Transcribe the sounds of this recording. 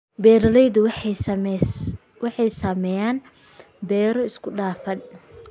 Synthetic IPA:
bɛːɾɐlɛjðʊ | wɑħɑjsaːmɛjaːn | bɛːɾɔɪskʰʊɖaːfɐn

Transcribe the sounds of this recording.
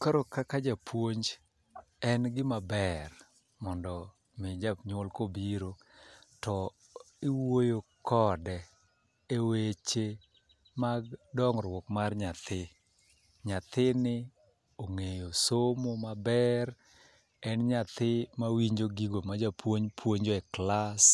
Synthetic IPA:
kaɾokakad͡ʒapʰwoɲd͡ʒ | ɛnɡɪmabɛr | mɔndɔ | mɪd͡ʒaɲʊlkobiɾo | tɔ | ɪwojokɔdɛ | ewet͡ʃe | maɡdɔŋɾwokmarɲat̪ʰɪ | ɲat̪ɪnɪ | oŋejosomomabɛr | ɛnɲat̪ɪmawiɲd͡ʒoɡiɡomad͡ʒapʰwoɲpʰwoɲd͡ʒoɛklas

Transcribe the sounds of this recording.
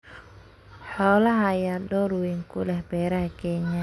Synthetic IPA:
hɔlaɦajadɔɾuwiŋkulɛhbɛɾahkeɲa

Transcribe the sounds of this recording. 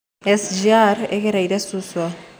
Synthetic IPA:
esʒiaɾeɣeɾejɾesuswa

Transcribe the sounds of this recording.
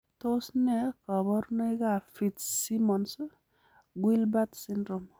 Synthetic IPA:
t̪osnekʌbʌɾnʌjɡapʰitsimʌns | ɡulbat̪sindɾɔm

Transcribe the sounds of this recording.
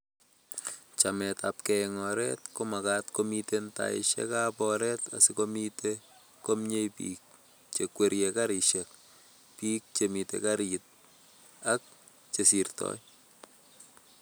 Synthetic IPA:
t͡ʃamɛtap̚kɛŋɔɾɛ̰tkomakatkomitenta̰ɪ̰ʃɛ̰kapɔɾɛta̰sikomite | komɲejpḭːk̚ | t͡ʃekweɾjekaɾiʃɛk̚ | pik̚t͡ʃemitḛkaɾit̚ | ak̚ | t͡ʃesiɾtɔ̰j

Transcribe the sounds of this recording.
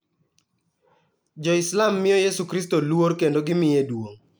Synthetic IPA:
d͡ʒɔɪslamːɪjɔjesukɾis̬tolwoɾkendoɡɪmɪjedwoŋ

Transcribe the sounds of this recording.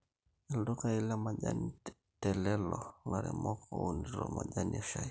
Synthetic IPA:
ɛldokailamaʄani | tɛlɛlɔŋaɾɛmɔkʰɔuniɾɔmaʄaniaʃai

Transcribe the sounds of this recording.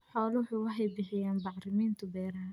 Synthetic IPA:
ħɔːlʊwʊħʊwɑħɛjbɪħɪjaːnbɑʕɾɪmiːnt̪ʰʊbɛːɾa

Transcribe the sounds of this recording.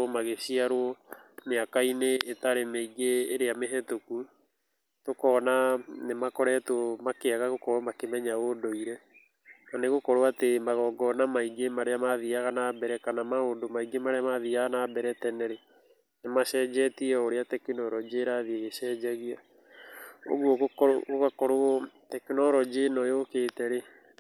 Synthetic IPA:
omaɣeɕiaɾoɔmeakaineːtaɾemeiɡeːɾeameɦɛtoku | tokɔnanemakɔɾɛtomakeaɣaɣokɔɾoɔmakemɛɲaodoiɾɛ | naneɣokɔɾoatemaɣɔɡɔnamaiɡemaɾeamaðiaɣanabɛɾɛkanamaodomaiɡemaɾeamaðiaɣanaːbɛɾɛtɛnɛɾe | nemaʃɛːd͡ʑɛtiɛoɾeatɛkinɔɾɔd͡ʒeɾaðieɣeʃɛd͡ʒaɣia | o̰ɣwoɣokɔɾo̰ɣoɣakɔɾootɛkinɔɾɔd͡ʑenɔjoketɛɾe

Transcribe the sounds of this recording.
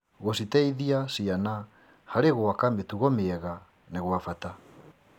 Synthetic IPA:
ɣositɛiðiasiana | haɾeɣoakametuɣomeɛɣa | neɣwafata

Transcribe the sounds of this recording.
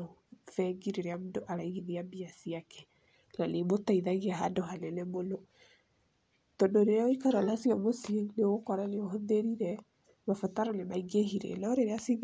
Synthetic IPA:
fɛɡiɾeɾeamundoʔaɾaiɣiniambiasiakɛ̥ | nanemotaiðaɣiaɦandoɦanɛnɛmonɔ | tɔndoɾeɾaoikaɾalasiɔmosieneokɔɾaneohɔðeɾiɾɛ | mafataɾɔnemaiɡehiɾɛ̰naɔɾeɾeasiɡ

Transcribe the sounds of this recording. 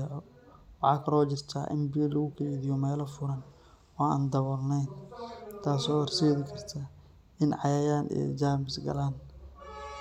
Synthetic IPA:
wɑħɑːkʰɐlɔːt͡ʃɪrt̪ʰa̰ʔɪ̰mbɪɛlɐɣʊkʰɛðɪjɔmɛːlɔfʊɾɐn | ɔːa̰ːnd̪ɐβɔlnɛjnt̪ʰaːsɔːrsɛːðɪkʰɐrt̪ʰɐ | ɪnʕɑjaːjaːnʔɛ̰d͡ʒaːmɪsɡɐ̰laːn

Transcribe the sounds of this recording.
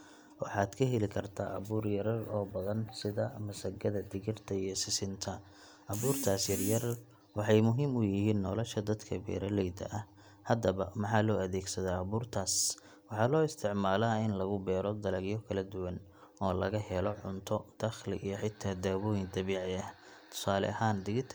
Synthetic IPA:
wɑ̰ħɑːd̪kʰɐɦɛlɪkʰɐrt̪ʰa̰ːʔɐ̰βuːrjɐɾɐrɔːbɐðɐnsɪðɐmɐsɐɡɐðɐd̪ɪɣɪrt̪ʰɐijɔsɪsɪnt̪ʰɐ | ʔɐβuːrt̪ʰaːsjɐrjɐr | wɑħɑjmʊɦiːmʊjɪhiːnːɔlɔʃɐd̪ɐd̪kʰɐbɛ̰ːɾɐlɛjd̪ɐ̰ʔɐh | hɐd̪ɐβɐmɑħɑːlɔːɐðɛːɡsɐðaːɐβuːrt̪ʰaːs | wɑħɑːlɔːɪst̪ʰɪʕmaːlaːɪnlɐɣʊbɛːɾɔd̪ɐlɐɡjɔkʰɐlɐd̪ʊwɐn | ɔːlɐɣɐɦɛlɔʕʊnt̪ʰɔd̪̥ɐxlɪ̰ʔijɔħɪt̪ʰːaːd̪aːβɔːjɪŋd̪ɐβɛːʕɪɐ | t̪ʰʊ̥saːlɛ̰ɐɦaːnd̪ɪɣɪt̪ʰ

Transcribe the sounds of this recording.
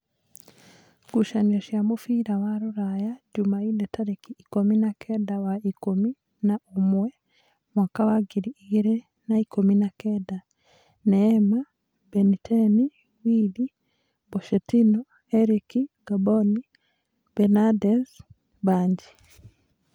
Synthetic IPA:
ɡ̥uʃaɲaʃjamofiːɾawaɾuɾajaɟumaidetaɾekiːkominakʰedawaikomi | naʔomwe | mwakaβaɡiɾiiɡiɾe | naikominakeda | nema | benitʰeni | wiːli | boʃetino | eɾikiɡ̥aboni | benadez | baːɲɟi

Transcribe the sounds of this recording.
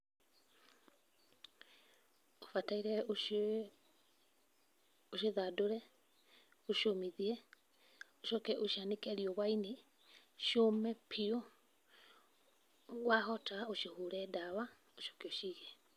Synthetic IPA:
ofataiɾɛo | oʃeðadoɾɛ | oʃomiðiɛ | oʃɔkɛʔoʃianekɛɾiɔβwaine | ʃomɛpʰio | waɦɔtaoʃiohuɾɛdawa | oʃo̥keoʃiːɣɛ

